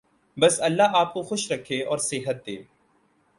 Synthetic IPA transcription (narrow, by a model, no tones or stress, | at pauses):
bɐsɐlːaaːp̚koxʊʃɾɐkʰːeɔːɾsɪɦət̪̚d̪ḛː